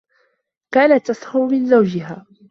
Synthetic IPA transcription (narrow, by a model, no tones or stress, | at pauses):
kaːnat̪ːashʊɾʊmɪnzawd͡ʒɪɦaː